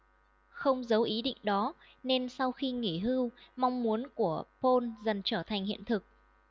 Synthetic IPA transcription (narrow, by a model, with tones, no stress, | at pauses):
xə˧wŋ͡mzə˨˦wʔi˨˦ɗḭ˧˨ŋ̟ɗɔ˨˦ | ne˧nsa˧wxi˧ŋi˧˩ɦɨ˧wma˧wŋ͡mmu˨˦ənku˧˩əpo˧nzə˨˩nt͡ɕəː˧˩t̪ʰa˨˩jŋ̟hḭ˧˨ənt̪ʰɨ˨˩k̚